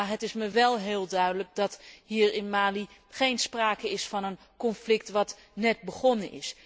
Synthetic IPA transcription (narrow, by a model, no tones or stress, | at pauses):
ɦətɪsməʋɛlˠɦɪːlˠdœɥdələk̚dɑtɦiːrɪnmaːliχejnspraːkəɪsfɑnən | kɔnflɪk̚tʋɑt | nɛt̚bəχɔnənʔɪ̰s